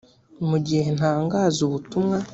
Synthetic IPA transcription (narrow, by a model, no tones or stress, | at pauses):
muɟihe̞ntaːŋɡaːzuβutumŋa